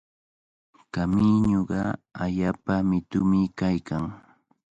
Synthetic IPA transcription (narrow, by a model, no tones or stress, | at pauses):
kamiɲoɢɑaʎaːpamɪt̪ʊmɪkajkʰaŋ